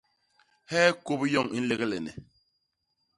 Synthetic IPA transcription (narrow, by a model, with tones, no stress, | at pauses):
hɛː˦ko˦pjɔ˦˨ŋi˦n̩˦le˦ɣlɛ˨nɛ̰˨